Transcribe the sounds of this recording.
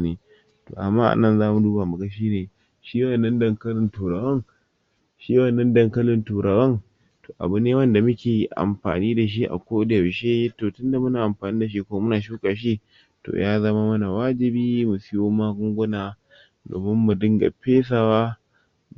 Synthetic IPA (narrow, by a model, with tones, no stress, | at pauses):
neː˨ | to̰ː˨ʔa˨mːaː˦ʔa̰˨nɐ˦nzaː˦mu˨duː˦baː˨mu˨ɡa˦ʃiː˦neː˨ | ʃiː˦wɐ˨nːɐ˦ndɐ˦˨ŋkɐ˦lɪ˨ntuː˨ɾɐ˨bɐ˦ŋ | ʃiː˦wɐ˨nːɐ˦ndɐ˨ŋkɐ˦lɪ˨ntuː˨ɾɐ˨bɐ˦ŋ | toː˨ʔa̰˨bʊ˦nːeː˦wɐ˦nda˨mʊ˦kʲeː˨i˦ʔa̰˨mɸa̰ː˨niː˦da˨ʃ̬i˦ʔa̰˨kʷoː˦dɛ˨wʃeː˦toː˨tʊ˦nda˨mʊ˦naː˨ʔa˨mɸaː˨niː˦da˨ʃ̬i˦kʷo˦mʊ˦naː˨ʃuː˦kaː˨ʃ̬i˦ | to̰˨jaː˦zɐ˦maː˦mɐ˦na˨waː˦d͡ʒɪ˨biː˦mʊ˨siː˦wo˦maː˦ɡʊ˦ŋɡʷʊ˦naː˨ | do̰ː˨mɪ˦mːu˨dɪ˦ŋɡa̰˨ɸeː˦s̬a˨waː˦